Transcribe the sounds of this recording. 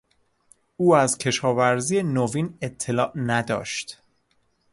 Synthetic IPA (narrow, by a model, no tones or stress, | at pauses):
uːæzcʲʰe̞ʃɒːvæɾziːjenoviːne̞t̪ʰːe̞lɒːʔnæd̪ɒ̰ːʃt̪